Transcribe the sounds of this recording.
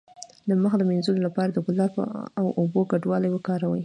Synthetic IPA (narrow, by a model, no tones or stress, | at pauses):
ləməxad̪əmenzulolapɑɾad̪əɡʊlɑb̰awʔoboɡaɖwɑlajwəkɑɾawə̰j